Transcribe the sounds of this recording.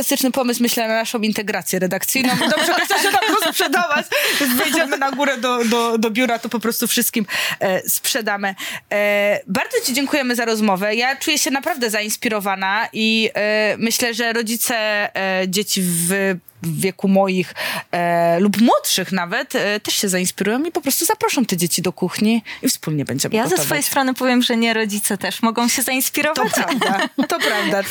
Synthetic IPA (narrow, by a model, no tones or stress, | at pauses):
ast̪ɘt͡ʂnɘpɔmɘsmɘɕlɛnanaʂɔ̃w̃int̪ɛɡɾat̪sʲjɛɾɛd̪ak̚t̪sɘjnɔ̃mid̪ɔbʐɛkt̪ɛwɕɛk̪apɾɔspʂɛd̪avat͡ɕvʲɛnzvɛjd͡ʑɛmɘnaɡuɾɛd̪ɔd̪ɔd̪ɔbʲjuɾat̪ɔpɔpɾɔst̪ufʂɨst̪kʲimspʂɛd̪amɘ | baɾd̪zɔt͡ɕid͡ʑeŋkujɛmɘzaɾɔzmɔvɛjat͡ʂujɛɕɛnapɾavd̪ɛzainspʲiɾɔvanaʔi | mɘɕlɛʐɛɾɔd͡ʑit̪sɛd͡ʑet͡ɕiv | vʲjɛkumɔjix | lupmwɔtʂɘxnavɛt̪ːɛʂɕɛzainspʲiɾujɔ̃w̃mipɔpɾɔst̪uzapɾɔʂɔ̃w̃t̪ɛd͡ʑet͡ɕid̪ɔkuxɲiifspulɲɛbɛɲd͡ʑɛ̰mjaɛsvfɔjjejst̪ɾɔnɘpɔvʲjɛmʐɛɲɛɾɔd͡ʑit̪sɛt̪ɛʂmɔɡɔ̃w̃ɕɛzaĩnspʲiɾɔvt̪ɔpɾavd̪at̪ɔpɾavd̪a